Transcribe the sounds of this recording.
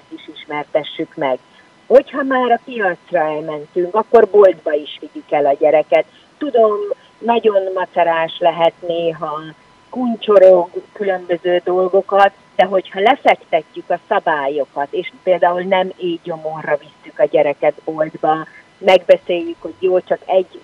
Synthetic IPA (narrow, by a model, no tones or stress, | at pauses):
t̪iʃiʃmɛrt̪ɛʃːykmɛɡ | ho̞chɒmaːɾɒpijɒt̪srɒɛlmɛnt̪yŋkɒkːo̞rbold̪bɒiʃʋiɟikɛlɒɟɛɾɛkɛt̪ː | ud̪o̞m | nɒɟo̞nmɒsɛɾaːlʃlɛɦɛt̪neːɦɒ | kunt͡ʃo̞ɾo̞ɡkylø̞mbøzøːd̪o̞lɡo̞kɒt̪ | d̪ɛɦo̞chɒlɛfɛkt̪ɛcːykɒsɒbaːjo̞kɒt̪eːʃpeːld̪aːulnɛmeːo̞morːɒvisːykɒɟɛɾɛkɛd̪bo̞ld̪bɒ | mɛɡbɛseːjːykho̞ɟjoːlt͡ʃɒkɛɟː